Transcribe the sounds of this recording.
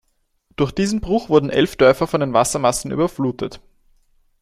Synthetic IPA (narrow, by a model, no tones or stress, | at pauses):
d̥ʊɐxd̥iːzn̩bʁʊxv̥ʊɐdn̩ʔɛ̰lfd̥œɐfɐfɔndeːnvasɐmasn̩ʔy̰ːbɐfluːtʰət